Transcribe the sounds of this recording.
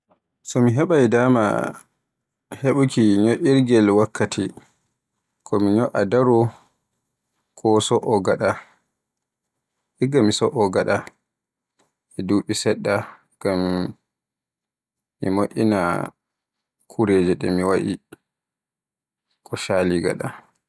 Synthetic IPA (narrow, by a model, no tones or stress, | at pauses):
sɔmiɦɛɓajdaːma̰ | heɓukiɲoʔiɾɡɛlwakːatʰi | kʰɔmiɲɔʔadaɾɔ | kʰɔsɔʔɔɡaɗa | ʔiɡamisɔʔɔɡaɗa | ʔɛduɓisɛɗːa | ɡ̥am | imoʔina | kʰuɾeːd͡ʒɛɗɛ̰miwaʔḭ | kɔʃaːliɡa̰ɗa